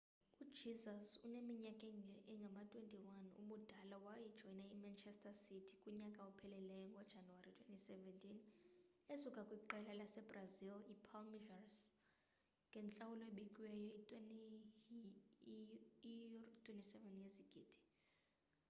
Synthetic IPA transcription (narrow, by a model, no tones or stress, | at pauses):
ud̥ʒ̥izasunemiɲakʼɛɛŋɡʱamatʼwentʼiwanṵɓud̥ʱalawajid̥ʒ̥ʱɔjinaimant͡ʃʰɛstʰʼasitʰi̥kʼuɲakʼaupʰɛlɛlɛjɔŋɡʱɔd̥ʒ̥ʱanuwaɾitʰwentʼisɛvɛntʼinesukʼakʼwiǃɛlalasɛbrazilipʰalmiʒars | ŋɡʱɛnt͡ɬʼawulɔeɓikʼwɛjɔin | tʼwentʼisɛvɛnjeziɡ̥ʱiːd̥ʱi̥